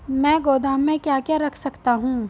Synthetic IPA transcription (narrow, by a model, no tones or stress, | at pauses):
mɛ̃ːɡoːd̪aːmːẽkjaːkjaɾɐkʰsɐkt̪aɦũː